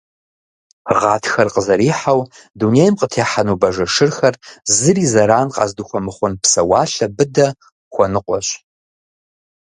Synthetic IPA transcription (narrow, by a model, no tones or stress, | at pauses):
ʁɑːtʰxɐrqʼəzɐɾiːħaw | dunejmqətʰeːħanuːbɐʒɐʂɨrxɐrzɨriːzɐɾaːnqʼɑ̰ːzduxʷɔmɨχʷʊnpsɐwɑːɬɐbɨdɐ | xʷɔnɨqʷʼɔɕ